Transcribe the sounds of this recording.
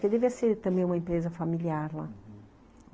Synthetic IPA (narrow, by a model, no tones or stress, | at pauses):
ked̪eviɐseɾt̪ɐ̃mbẽj̃ũmɐẽmpɾezɐfamiliaɾla̰